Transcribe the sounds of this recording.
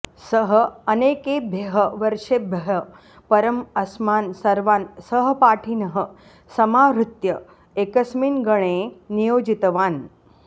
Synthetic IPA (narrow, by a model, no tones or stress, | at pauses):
səɦəɐneːkebʱjeɦəʋəɾʂebʱɐɦɐ | pɐɾəmɐsmaːnsɐɾʋaːnsəɦəpaːʈʰinəɦə | sɐmaːʋɾut̪jɐ | ekəsmiːnɡəɽ̃enijoːd͡ʒit̪ʋaːn